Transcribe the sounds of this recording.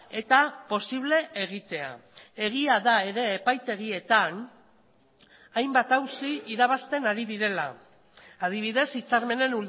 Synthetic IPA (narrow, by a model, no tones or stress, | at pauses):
e̞t̪apo̞siβ̞le̞eɣ̞it̪e̞a̰e̞ɣ̞iaðae̞ɾe̞ːpajt̪e̞ɣ̞ie̞t̪an | ajmbat̪awsiiɾaβ̞ast̪e̞naɾiðiɾe̞laː | ð̞iβiðe̞sit͡saɾme̞ne̞nu